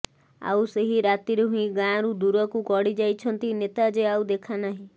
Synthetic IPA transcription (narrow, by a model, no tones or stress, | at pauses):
a̰wseɦiɾat̪iɾeɦũĩɡãɾud̪uɾɔkukɔɽid͡ʒajt͡ʃʰɔnt̪inet̪ad͡ʒeawd̪ekʰanaɦĩ